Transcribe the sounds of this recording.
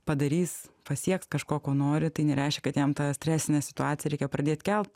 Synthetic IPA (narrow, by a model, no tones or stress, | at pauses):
pɐd̪ɐɾʲiːspɐsʲiɛkskɐʃkoːkoːnoːɾʲɪt̪ɐɪnʲɛɾʲɛɪʃʲkʲɛkɐt̪jɛmt̪ɑːsʲtʲɾʲæːsʲɪnʲɛsʲɪ̥t̪ʊɑːt͡sʲɪjɛɾʲɛɪkʲɛpɾɐd̪ʲeːt̪ʲkʲɛlˠpt̪